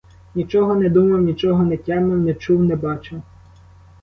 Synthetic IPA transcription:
nʲit͡ʃɔɦɔnɛd̪umɐwnʲit͡ʃɔɦɔnɛtʲɛmɐwnɛt͡ʃuwnɛbɑt͡ʃɪw

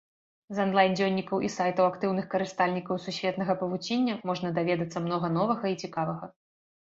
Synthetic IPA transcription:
zɐnlˠajnd͡zʲɔnʲːikɐwʔisajt̪ɐwakt̪ɨwnɨxkɐɾɨst̪alʲnʲikɐwsusʲvʲɛt̪nɐɣɐpɐvut͡sʲenʲːɐmɔʐnɐd̪avʲɛd̪ɐt̪sːɐmnɔɣɐnɔvɐɣɐit͡sʲikavɐɣɐ

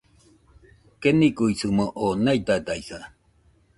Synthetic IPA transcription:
kenikuisɨmoʔonait̪at̪aisa

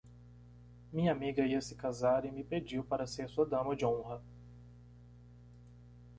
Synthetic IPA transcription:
mĩɲɐamiɡɐiɐsɪ̥kazaɾɪ̃mɪpɾed͡ʒiwpaɾɐseɾsuɐd̪ɐ̃mɐd͡ʒɪõɦɐ

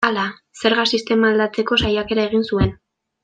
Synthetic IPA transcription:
ala | se̞ɾɣasist̪e̞maːld̪at͡se̞ko̞sajake̞ɾae̞ɣ̞insue̞n

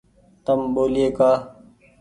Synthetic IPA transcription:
t̪əmɓoːlɪjeːkaː

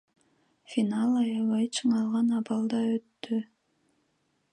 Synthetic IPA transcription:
fʲinɑlˠɑjɑβɑjt͡ʃʰɯɴɑlˠʁɑnɑbɑlˠd̪ɑøt̪ːy

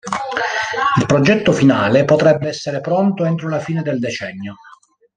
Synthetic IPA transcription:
ilpɾod͡ʒɛt̪ːofinaːlepot̪ɾɛbːeɛsːeɾepɾont̪oent̪ɾolafiːned̪eld̪et͡ʃɛnːjo

